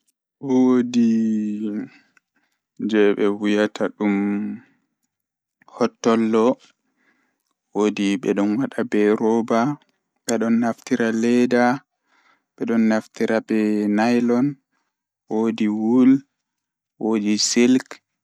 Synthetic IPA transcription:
wodi | d͡ʒɛɓɛwujatʰaɗum | hɔtːɔlːɔ | wodiɓɛ̰ɗɔnwaɗabɛɾɔba | ɓɛɗɔnːaftiɾalɛda | ɓɛɗɔnːaftiɾabɛnajlɔn | wodiwul | wodisilk

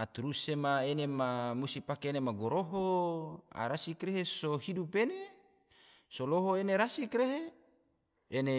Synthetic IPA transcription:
at̪uɾusemaenemamust̪ipakeːnemaɡoɾoɦo | a̰ɾasikreɦesohidupene | soloɦoeneɾasikreɦe | ene

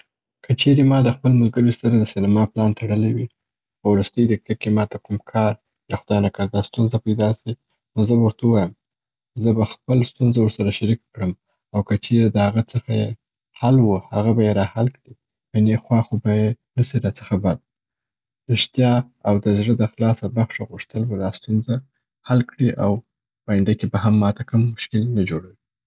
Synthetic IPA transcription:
kət͡ʃeɾemɑd̪əxpəlmʊlɡəɾisaɾad̪əsinamɑplɑnt̪ʰaɽəlewi | xəwɾust̪əjd̪əkakemɑt̪akumkʰɑɾ | jɑxʊd̪ɑjnakaɾd̪ɑst̪unzapajd̪ɑsi | nozəbawəɾt̪auwɑjəm | zəbaxpəlst̪unzawəɾsaɾaʃaɾikːɽəm | awkət͡ʃeɾed̪əhaɣat͡səxaje | halwuhaɣabajeɾɑhalkɽi | janexwɑxobajenasiɾɑt͡səxabad̪̚ | ɾɪʂt̪jɑ | awd̪əzɽəd̪əxlɑsabaxʃaɣuʂt̪əlbad̪ɑst̪unza | halkɽiʔa̰w | pajɪnd̪akebahamːɑt̪akəmːʊʃkɪlnad͡ʒoɽawi

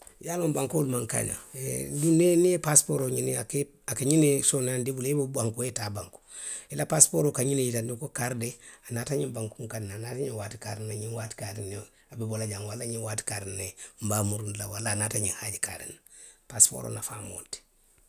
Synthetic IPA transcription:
jalombaŋkolmaŋka̰na̰eduneniepaspoɾoɲiniake | akaɲinesonandibulebubaŋkoetabaŋku̥ilapaspoɾokaɲinejitandikokaɾdeanataɲimbaŋkuŋkadnanataɲiwaːti̥kaɾinaɲinwati̥kadine | abibolaɟaŋwalːaɲiwaːti̥kaɾnem̩baːmuɾundlawalːaːnataɲihaɟika̰ɾḭnpaspo̰ɾo̰nafa̰ːmo̰ːnti̥

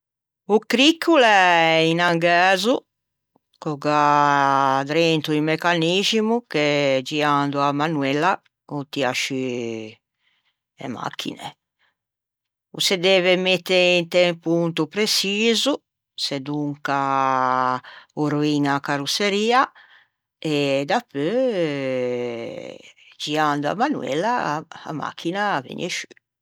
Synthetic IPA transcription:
ukɾikʰːulɛinaŋɡɛːzu | kɔɡa | d̪ɾent̪uimɛkanizimuked͡ʒiand̪uamanwɛlːa | ut̪ia̰ʃi | ɛ̰ma̰kʰːḭnḛ | ṵsed̪ɛːvɛmet̪ːeint̪ɛmpuunt̪upɾesiːzu | sɛd̪uŋka | oɾoiŋakaɾuseɾiːa | ɛd̪apːø | d͡ʒiand̪ua̰manwɛ̰lːaa̰ma̰kʰːinavḛɲeʃy

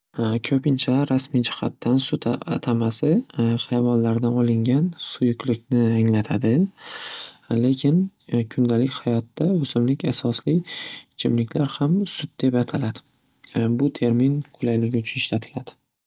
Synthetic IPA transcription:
kʲʰɵpɪnt͡ʃʰaɾasmijd͡ʒɪ̥ha̰t̪ːansʊt̪ʰaat̪ʰamasɪχajavɒnlaɾd̪anɒlɪŋɡʲansʊjʊklɪkʲnɪaŋlat̪ʰad̪ɪ | le̞kʲʰɪnkʲʰʊnd̪alɪkʲhajɒt̪ːaozɪllɪkʲasɒslɪt͡ʃʰɪmlɪkʲlaɾhamsʊd̪d̪e̞pat̪ʰalad̪̥ɪ | bʊt̪ʰe̞ɾminqʰʊlajlɪɡʲɪʊt͡ʃʰʊnɪʃlat̪ʰɪ̥lad̪̥ɪ

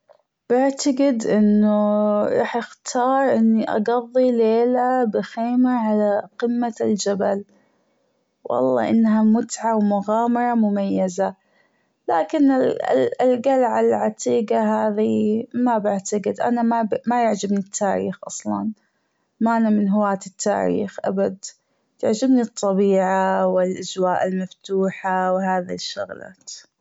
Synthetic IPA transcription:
b̥ɪʕt̪aɡɪd̪ʔɪnːuɾˤɑ̰ːħʔɪxt̪ʰɑːɾˤʔɪnːiʔɑ̰ɡɑðˤːileːlabɪxeːmaʕalaqɨmːald͡ʒabal | wɑ̰lˤːɑ̰ːʔɪ̰nːɦamʊt̪ʕawmʊɣaːmɑɾˤɑmʊmajːaza | laːkɪnɪ̰ɪlɡalʕalʕat̪iːɡaɦaːðimabaʕt̪aɡɪd̪ʔa̰namamajaʕd͡ʒabnit̪ʰːaːɾḭːxʔɑsˤlɑ̰n | maʔanamɪnɦʊwaːt̪ɪt̪ːa̰ːɾḭːxʔa̰bad̪ | t̪aʕd͡ʒɪbnit̪ˤːɑbiːʕawɪlʔad͡ʒwaːʔɪlmaft̪uːħawɦaːðiʃːʊ̰ɣla̰ːt̪

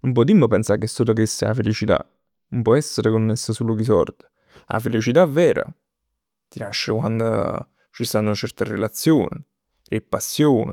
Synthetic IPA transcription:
ump̬ɔd̪imːopɛnsakesːoːlokesːea̰felit͡ʃit̪a̰ | nʊmpwɔɛsːeɾekonːesːosuːlokisɔ̰rt̪e̥ | a̰felit͡ʃit̪avːɛːɾa̰ | t̪inaʃːekwand̪o̰ | t͡ʃist̪anːot͡ʃɛrt̪erḛlat̪sːjo̰ːnḭ | ɾepːasːjoːnḛ

